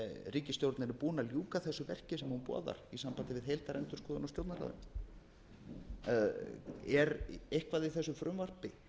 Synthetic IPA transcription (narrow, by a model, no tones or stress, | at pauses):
ɾiːcɪst̪jowɾt̪nɪnpuːnaljuːkaθɛsʏvɛr̥cɪsɛmhunpɔ̰ːða̰ɾ̥isampant̪ɪvɪðɦejlt̪aɾɛnt̪ʏɾ̥skɔːðʏnɔst̪jowt̪naɾa̰ðʏ̰m | ɛɾehkvaðiθɛsʏfɾʏmvar̥pɪ